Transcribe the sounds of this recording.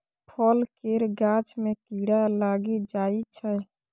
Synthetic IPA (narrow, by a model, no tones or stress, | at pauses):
pʰɔlkeɾɡaːt͡ʃmẽkiːɽalaːɡid͡ʒaːit͡ʃʰɛ